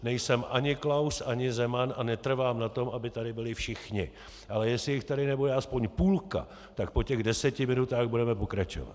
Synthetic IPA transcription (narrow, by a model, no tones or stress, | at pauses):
nɛjsɛmʔaɲɪklawsʔaɲɪzɛmananɛt̪r̩vaːmnat̪o̞mʔabɪt̪adɪbɪlɪfʃɪxɲɪ | ʔalɛjɛsɪjɪxt̪adɪnɛbojɛaspo̞ɲpuːlka̰ | t̪ak̚po̞cɛɣdɛsɛcɪmɪnut̪aːɣbudɛmɛpo̞kɾat͡ʃo̰va̰t̪